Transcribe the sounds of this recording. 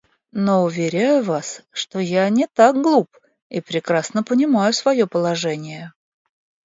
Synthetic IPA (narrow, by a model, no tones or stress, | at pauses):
noʊvʲɪɾʲæjʊvasʂt̪ojanʲɪt̪ak̚ɡlˠup | ipɾʲɪkɾasnəpənʲɪmajʊsvɐjo̞pəlˠɐʐɛnʲɪjə